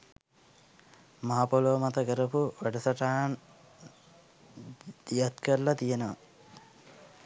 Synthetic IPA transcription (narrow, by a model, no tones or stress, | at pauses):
maɦapoloʋmat̪ɐkəɾəpuʋæɖəsɐʈaːn | d̪̥ijat̪kəɾlat̪ijenəʋə̰